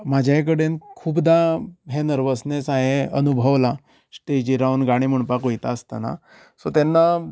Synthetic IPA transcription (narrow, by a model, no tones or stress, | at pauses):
mad͡ʑʱajk̬əɽenkʰuːpd̪aɦenəɾʋəsnesãɦeənubʱəʋla | sʈed͡ʑiɾaunɡaɽ̃im̤əɳpakojt̪aəst̪a̰na̰ | sot̪anːa